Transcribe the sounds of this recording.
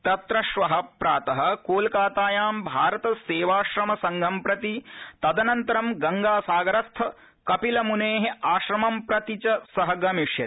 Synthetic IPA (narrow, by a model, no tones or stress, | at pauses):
t̪ɐt̪ɾɐʃʋɐɦɐpɾaːt̪ɐɦɐ̆koːlkaːt̪aːjaːmbʱaːɾɐt̪ɐseːʋaːʃɾɐmɐsɐŋɡʱɐmpɾɐt̪it̪ɐd̪ɐnɐnt̪ɐɾɐmɡɐŋɡaːsaːɡɐɾɐst̪ʰɐ | kɐpilɐmuneːɦeaːʃɾɐmɐmpɾɐt̪it͡ʃɐsɐɦɐɡɐmiʂjɐ